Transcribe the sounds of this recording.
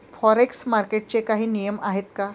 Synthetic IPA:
fɔɾeksmaɾkeʈ̚t͡ɕekaɦiːnijəmaɦet̪ka

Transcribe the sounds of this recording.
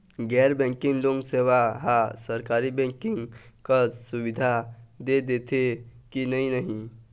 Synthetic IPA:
ɡɛɾbɛ̃ŋkiŋloŋɡseβaɦasəɾkaɾibɛ̃ŋkiŋkəsubid̪ʱad̪ed̪et̪ʰekinəɦinəɦi

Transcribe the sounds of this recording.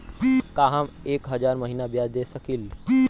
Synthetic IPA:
kaːɦəmeːkɦɐd͡ʒaːɾməɦiːnabjaːd̪eːsəkil

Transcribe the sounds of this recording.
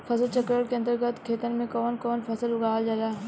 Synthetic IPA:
fʰɐsəlt͡ʃəkɾəʈkeɐ̃nt̪əɾɡət̪kʰeːt̪ənmẽkɔːnkɔːnpʰɐsəlʊɡaːld͡ʒalaː

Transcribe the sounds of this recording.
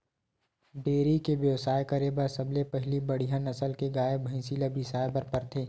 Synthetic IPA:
ɖeːɾikebjɐʋsaːekɐɾebɐɾsɐblepɛɦlibɐɽ̤iɦãnɐsəlkeɡaːebʱɐĩsiləbʱisaːebɐɾpɐɾt̪ʰeː

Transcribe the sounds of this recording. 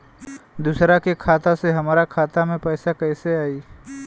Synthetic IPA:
d̪usɾakekʰaːt̪aseɦɐmaːɾakʰaːt̪amẽpɛːsakɛːseaːiː

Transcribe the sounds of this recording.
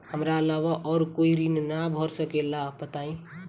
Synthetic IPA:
həmɾalaʋaʔɔːɾkoiɾinnabʱɔɾsəkelapət̪aĩ

